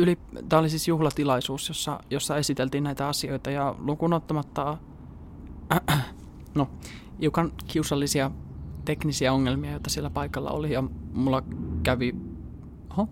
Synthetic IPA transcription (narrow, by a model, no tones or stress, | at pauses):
ylit̪æɑlˑisisjuhlɑt̪ilɑisuːsjosːɑ̰josːɑe̞sit̪elt̪iːnæit̪æɑsio̞it̪ɑjɑlukunot̪ːɑmɑt̪ːɑ | no | hiukɑnkiusɑlːisiɑt̪eknisiæoŋːelmiɑjot̪ːˑɑsielːæpɑikɑlːɑ̰o̰lijɑmulːɑkæʋi | ho